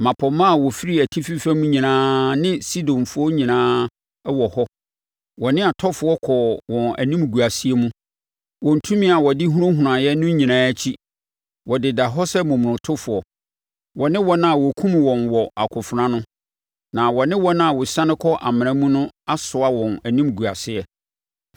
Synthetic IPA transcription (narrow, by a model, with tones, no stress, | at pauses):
mã˨pʰɔ˨mã˦˨wɔ˨fi˦ɾi˦æ˨tʰi˦fi˦fæ˦mũ˦ɲĩ˨nãː˦nɪ̃˦si˦dɔ̃˨nfʊ˦ɔ˦ɲĩ˨nãː˦ | wɔ˨hɔ˦ | wɔ˨nɪ̃˦a˨tʰɔ˦fʊ˨ɔ˦kʰɔ˨wɔ̃˨næ̰˨nĩ˦m˨ɡu˨a˨si˦e˦mũ˦ | wɔ̃˨n̩˨tʰũ˦mĩ˦a˨wɔ˨dɪ˦ɦu˦ɾõ˦ɦu˨ã˨jɛ˦nʊ̃˦ɲĩ˨nãː˦æ˦t͡ɕʰi˦ | wɔ˨dɪ˨da˨ɦɔ˦sɛ˦mũ˨m˨nʊ̃˨tʰʊ˦fʊ˨ɔ˨ | wɔ˨nɪ̃˦wɔ˦nã˦˨wɔ˨kʰũ˦mwɔ̃˨nwɔ˨ʔa˨kʰʊ˨fʊ˨ɾã˦nʊ̃˦ | nã˨wɔ˨nɪ̃˦wɔ˦nã˦a˨wʊ˨sã˦nɪ̃˦kʰɔ˦ʔa̰˨mɪ̃˨ñã˦mũ˦nʊ̃˦a˦sʊ˨a˦wɔ̃˨næ˨nĩ˦m˨ɡu˨a˨sɪ˦ɛ˦